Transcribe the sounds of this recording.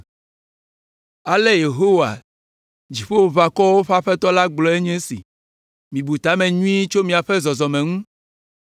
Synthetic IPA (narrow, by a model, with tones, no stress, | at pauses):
a˨le˦je˨ɦo˦wa̰˨ | d͡ʑi˨ɸe˦wo˨va˨kɔ˦wo˦ɸa˦ɸɛ˦t̪ɔ˦la˦ɡ͡blɔ˨e˦ɲɛ̃˦sḭ˨ | mĩ˨bu˨t̪a˦mɛ̃˨ɲũ˦i˦t͡ʃo˦mĩ˨a˨ɸɛ˦zɔ˨zɔ˨mɛ̃˨ŋũ˦